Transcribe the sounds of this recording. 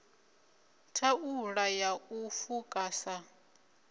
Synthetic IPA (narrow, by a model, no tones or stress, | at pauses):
tʰauɺajaufukʼasa